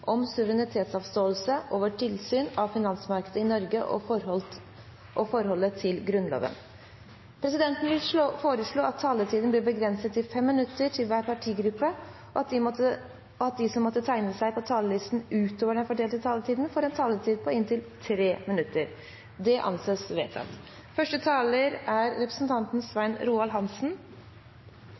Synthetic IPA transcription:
ʔɔmsʉʋəɾɛnɪt̪ʰeːt̪sɑʋst̪oːəlsəʔoːʋəʈʰɪlsyːnɑʋfɪnɑnsmɑɾkəd̪əɪnɔɾɡəʔɔ̰ | ʔɔfɔɾhɔlːət̪ʰɪlɡɾʉnlo̰ːʋə̰n | pʰɾɛsɪd̪ɛnt̪n̩ʋɪfoːɾəʂɭoːɑt̪ʰːɑːlət̪ʰiːd̪n̩blɪbəɡɾɛnsət̪ːɪfɛmːɪnʉt̪ːəʈʰɪlʋæːɾpɑʈʰiːɡɾʉpːə | ɔɑə | ɔɑt̪̚d̪ɪsɔmːɔt̪ːət̪ʰæɪnəsæɪpʰɔt̪ʰɑːləlɪst̪n̩ʉːt̪oːʋəɖɛnfɔɖeːlt̪ət̪ʰɑːlət̪ʰiːd̪n̩fɔɾɛnt̪ʰɑːlət̪ʰiːd̪̚pʰɔɪnt̪ɪlt̪ʰɾeːmɪnʉt̪ːəɾ | d̪ɛʔɑ̰nseːsʋḛːt̪ʰɑ̰t̪ | fœʂʈət̪ʰɑːləɾæɾːɛpɾəsn̩t̪ʰɑnt̪n̩sʋæɪnɾuːɑlɦɑnsn̩

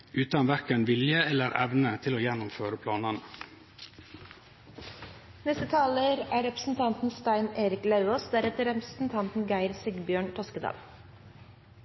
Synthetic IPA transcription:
ʉːt̪ɑnʋæɾkənʋɪljəɛlːəɾɛ̰ʋnət̪ʰɪloːjɛnʊmføːɾəpʰlɑːnən | nɛst̪ət̪ʰɑːləɾæːɾɛpɾəsn̩t̪ʰɑnt̪n̩st̪æɪneːɾɪklɑʉoːsd̪æɾɛt̪əɾɛpɾəsn̩t̪ʰɑnt̪n̩ɡæɪɾsɪɡbjøːɳʈ̪ʰɔskəd̪ɑ̰ːl

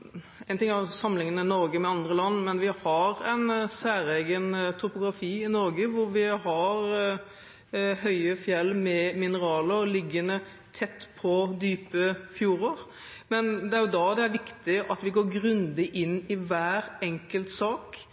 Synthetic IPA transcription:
ɛɪnt̪ʰɪŋæsɑmlɪŋənənɔɾɡəmɛɑnd̪ɾəlɑnːmɛnʋɪhɑɾɛɪnsæːɾɛɡənt̪ʰʊpʊɡɾɑfiːɪnɔɾɡəʋʊɾʋɪɦɑɾ | ɦœʏəfjɛlːmɛmɪnəɾɑːləɾlɪɡːənə | t̪ʰɛt̪ːpʰɔd̪yːpəfjuːɾoːɾ | mɛnd̪ɛæɾjʊd̪ɑd̪ɛæɾʋɪkt̪ɪʔɑt̪ʋɪɡoːɾɡɾʉnd̪ɪʔɪnːɪʋæːɾɛŋkəlt̪sɑːk

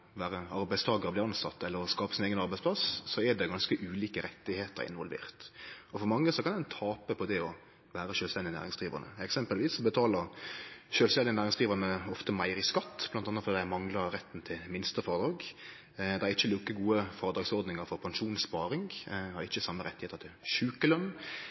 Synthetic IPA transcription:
ʋæːɾəɑɾbæɪst̪ʰɑːɡəɾɔblɪːɑnsɑ̰t̪ːɛlːəɾɔskɑːpəsɪneːɡənɑɾbæɪspʰlɑssɔɛd̪ɛɡɑnskəʔʉːliːkəɾɛt̪ːɪheːt̪ə̰ɾɪ̰nʋɔlʋḛːʁt̪ɔfɔɾmɑŋːəsɔkɑnd̪ɛnt̪ʰɑːpəpʰɔd̪ɛɔ | ʋæːɾəʃøːlst̪ɛnd̪ɪənæ̰ːɾɪŋsɡ̥̪ɾiːʋə̰ʁnə̰ɛksɛmpəlʋiːsɔbət̪ʰɑːləɾʃøːlst̪ɛnd̪ɪnæːɾɪŋsɡ̪ɾiːʋənəɔft̪əmæɪɾɪskɑt̪ːb̥lɑnt̪ɑnːəfɔd̪ɛæmɑŋlɑɾɾɛt̪ːnt̪ʰɪlmɪnst̪əfɔːɾəd̪ɾɑːɡ | d̪ɛæɾɪçːəlʉːkːəɡuːəfɑːɾəd̪ɾɑːɡsɔɾd̪nɪŋəɾfɔɾpʰɑnʂuːnspɑːɾɪŋhɑɾɪçːəsɑmːəɾɛt̪ːɪheːt̪əɾt̪ʰɪlʃʉːkəlœn

